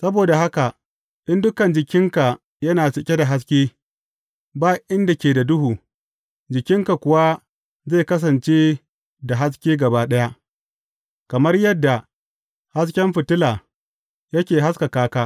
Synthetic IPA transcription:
sɐ˦boː˨da˨ɦa˦ka˨ | ɗɪ˦ndʊ˦kɐ˨nd͡ʒɪ˨kʲɪ˦ŋka˨ | jɐ˦naː˨sɪ˨kʲe˦da˨ɦa˦s̬kʲeː˦ | baː˦ʔɪ˦nda˨kʲeː˨da˨dʊ˦ɦuː˨ | d͡ʒɪ˨kʲɪ˦ŋka˨kʷʊ˨wa˦ | ze˦˨kɐ˦s̬ɐ˨nt͡ʃeː˦ | da˨ɦa˦s̬kʲeː˦ɡɐ˨baː˦ɗɐ˦ja˦ʔ | kɐ˨mɐ˦rjɐ˦dːa˨ | ha˦skʲɛ˦mɸɪ˨tʊ˦laː˨ | jɐ˦kʲeː˨ɦa˦ska˨kaː˦kaː˦

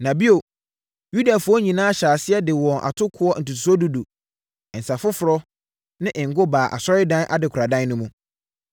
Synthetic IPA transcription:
nã˨bi˦o˨ | ju˦da˨fʊ˦ɔ˦ɲĩ˨nãː˦a˦ɕaː˨sɪ˦ɛ˦dɪ˨wɔ̃˨nʔa̰˨tʰʊ˦kʰʊ˦ɔ˦n̩˨tu˨tʰu̥˨sɔ˦du˦du˨ | n̩˨sa˨fʊ˦fʊ˨ɾɔ˦ | nɪ̃˦ʔɪ̃˨ŋ̩˨ɡʊ˦baː˨ʔa̰˨sɔ˦ɾɪ˦dã˦n˦ʔa̰˨dɪ˨kʰʊ˨ɾa˨dã˦nnʊ̃˦mũ˦

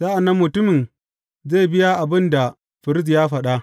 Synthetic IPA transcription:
saː˦ʔa˨nːɐ˦mːʊ˨tʊ˦mɪ˨n | ze˦˨bɪ˦ja˦ʔa˨bɪ˦nda˨ | ɸɪ˨ɾɪ˦z̬jaː˦ɸɐ˨ɗa˦ʔ

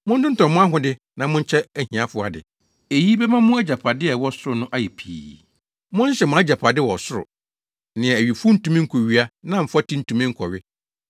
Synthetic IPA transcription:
mʊ̃˦n̩˦dɪ̃˦n̩˦tʰɔ̃˨mʊ̃˦a˦ɦʊ̃˨dɪ˦ | nã˨mʊ̃˦n̩˦t͡ɕʰɛ˦æ˦hĩ˨a˦fʊ˨˦a˨dɪ̰˨ | e˨ji˦bɛ˦mã˦mʊ̃˦æ˦d͡ʑa˨pʰa˨dɪ˦ɛ˨wɔ˦sʊ˦ɾʊ˨nʊ̃˦ʔa˦jɛ˨pʰḭː˨ | mʊ̃˦n̩˦ɕɛ˨mʊ̃˨˦a˦d͡ʑa˨pʰa˨dɪ˦wɔ˨sʊ˦ɾʊ̰˨ | nɪ̃˨ɛ˨æ˨ɥi˨fʊ˦n̩˦tũ˨mĩ˦ŋ̩˦kʰo˨ɥi˦a˦nã˨m̩˨fa˦tʰĩ˦n̩˦tʰũ˨mĩ˦ŋ̩˦kʰɔ˨ɥɪ˦

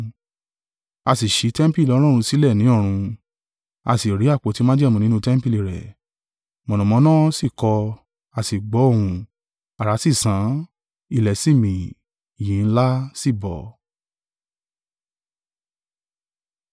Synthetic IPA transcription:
a˧si˨ʃi˨˦tɛ˦m˦pi˦˨lɔ˨˧˦lɔ̃˦˨ũ˧si˦lɛ˦˨nĩ˨˦ɔ˦˨ɾ̃ũ˧ | a̰˧si˨ɾi˨˦a˦˨k͡po˨˧˦ti˦mã˦d͡ʒɛ˦˨mũ˧nĩ˦nũ˦tɛ˦m˦pi˧li˧˨ɾɛ̰˨ | mɔ̃˨nɔ̃˨mɔ̃˨˦nã˦si˦˨kɔ˧ | a˧si˨ɡ͡bɔ˨˦õ˦˨ũ˧ | a˨ɾa˨˦si˦˨sã˨˦ | i˧˨lɛ˨si˦˨mĩ˨ | i˨jĩ˨˦n̩˦la˦si˦˨bɔ̰˨

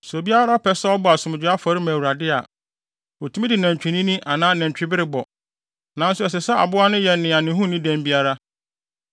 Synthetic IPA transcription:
so˨bi˦a˦ɾa˦ɔ˦pʰɛ˦sɛ˦ɔ˦bɔ˨a˨sʊ̃˨m˨d͡ʑᶣɪ˦a˦fɔ˨˦ɾɪ˦mæ̃˨wu˨ɾa˨dɪ˦a̰˨ | ɔ˨tʰu˦ĩ˦dɪ˨næ̃˨ɲ˨t͡ɕᶣi˨nĩ˦nĩ˦ʔa˨nãː˦nɛ̃˨ɲ˨t͡ɕᶣɪ˦bɪ˦ɾɪ˦bɔ˨ | nã˨˦n̩˦sʊ˦ɛ˨s̬ɛ˨sɛ˦a̰˨bʊ˦a˦nʊ̃˦jɛ˨nɪ̃˨a˨nɪ̃˨˦ɦũ˦nĩ˦dæ̃˦˨m˦bi˦a˦ɾa˦

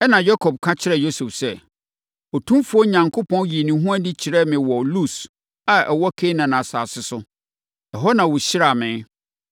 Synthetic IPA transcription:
ɛ˦nã˨ja˦kʰɔ˨b̚kʰã˦t͡ɕʰɪ˦ɾɛ˨jo˦su˨fsɛ˦˨ | ɔ˨tʰũ˦mfʊ˦ɔ˦ɲã˨ŋkʰʊ˦pʰɔ̃˦nɥi˨nĩ˨ɦũ˦a˦di˦t͡ɕʰi˨ɾɛ˦mɪ̃˨wɔ˨lu˦˨s | a˨ʔɛ˨wɔ˦kʰe˦nã˨nã˨sa̰ː˨sɪ˦sʊ˦ | ɛ˨ɦɔ˦nã˨wʊ˨ɕɪ˦ɾa˨mɪ̃˨˦

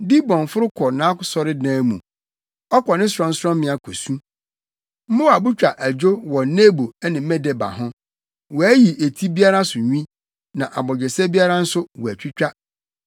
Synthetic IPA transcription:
di˦bɔ̃˨n˨fʊ˦ɾʊ˦kʰɔ˨nã˦kʊ˦sɔ˨ɾɪ˦dãː˦mũ˨ | ɔ˦kʰɔ˨nɪ̃˦sɾɔ̃˦n̩˦sɔ̃˦m˦ɪ̃˨a˨kʰo˨sũ˦ | m̩˦mʊ̃˦a˨bu˦t͡ɕᶣa˨ʔæ˨d͡ʑᶣo˦wɔ˨˦neː˦bo˨ɛ˦nɪ̃˨m̩˦mɛ̃˦dɛ˨ba̰˨ɦʊ̃˦ | wɔ˨æ˦ji˨ʔe˨tʰi˦bi˦a˦ɾa˦sʊ˨ɲᶣ˦ĩ˦ | nã˨ʔa˨bɔ˨d͡ʑᶣɛ˨sɛ˦bi˦a˦ɾa˦n̩˦sʊ˦wɔ˨æ˨t͡ɕᶣi˦t͡ɕᶣa˦

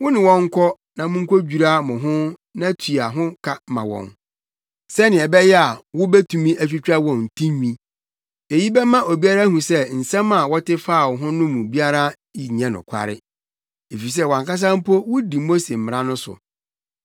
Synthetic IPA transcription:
wʊ˦nɪ̃˨wɔ̃˦ŋ̩˦kʰɔ˦ | nã˨mʊ̃˦ŋ̩˦kʰo˦d͡ʑᶣu˨ɾa˦mʊ̃˨ɦʊ̃˦ | nã˦tʰu˨a˨ɦʊ̃˦kʰa˦mã̰˨wɔ̰̃˨n | sɛ˦nɪ̃˨ɛ˨bɛ˦jɛ˦a˨wʊ˦bɛ˦tʰũ˨mĩ˦ʔæ˦fᶣi˦t͡ɕᶣa˦wɔ̃˨n˨tʰĩ˦ɲᶣĩ˦ | e˨ji˦bɛ˦mã˦ʔo˨bi˦a˦ɾa˦ɦũ˨sɛ˦n̩˨sɛ̃˦mã˨wɔ˦tɪ˦fa˦˨wɔ˨ɦʊ̃˦nʊ̃˦mũ˨bi˦a˦ɾa˦ | i˨ɲã˦nʊ̰̃˨kʷʰa̰˨ɾɪ̰˦ | e˨fi˨s̬ɛ˦wã˨ŋka˦s̬ã˦m̩˦po˦wʊ˦di˨mo˦se˨m̩˨m˨ɾã˦nʊ̃˦sʊ̰˨

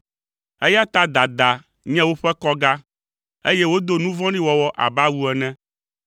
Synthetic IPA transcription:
e˦ja˦t̪a˦d̪a˨d̪a˨ | ɲɛ̃˦wo˦ɸɛ˦kɔ˦ɡa˦ | e˦jɛ˦wo˦d̪o˦nũ˦vɔ̃˦nĩ˦wɔ˦wɔ˦ʔa̰˨ba˦wu˦ɛ˨nɛ̃˦

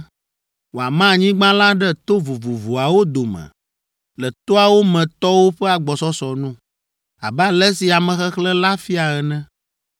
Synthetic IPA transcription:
wo˨a̰˨mã˦˨ɲĩ˦ɡ͡bã˦lã˦ɖɛ˦t̪o˦vu˨vu˨vu˨a˨wo˦d̪o˨mɛ̰̃˨ | lɛ˨t̪o˦a˨wo˦mɛ̃˨t̪ɔ˦wo˦ɸɛ˦a˨ɡ͡bɔ˨sɔ˦sɔ˨nũ˦ | a̰˨bɛ˦a˦lɛ˦si˨a˨mɛ̃˨xɛ˦xlɛ˦la˦fi˦a˨ɛ˨nɛ̃˦

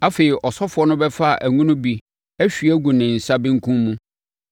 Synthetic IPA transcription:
a˦fe˨i˨ʔɔ˨sɔ˦fʊ˨˦ɔ˦nʊ̃˦bɛ˦fa˦a˨ʔæ˨ŋũ˦nʊ̃˦bi˨ | æ˦ɕᶣi˨æ˦ɡu˨nɪ̃˨n̩˨sa˦bɪ̃˦ŋ̩˦kʰũ˦mmũ˦

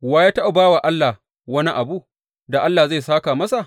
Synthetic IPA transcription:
waː˦jaː˦ta˦ʔa˨baː˦wa˨ʔa˦lːa˨ | wɐ˦ni˦ʔa˨bu˦ | da˨ʔa˦lːaː˨za˦˨saː˦kaː˨mɐ˦sa˨ʔ

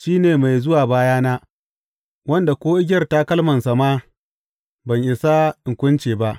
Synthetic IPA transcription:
ʃiː˦neː˨ma˨jzʊ˦waː˨baː˦jaː˦naː˦ | wɐ˦nda˨kʷoː˦ʔɪ˦ɡʲɐ˦rta˦kɐ˦lmɐ˨nsa˨maː˦ | bɐ˨ɲʔɪ˨sa˦ʔɪ˨ŋkʷʊ˦nt͡ʃeː˨ba˦ʔ

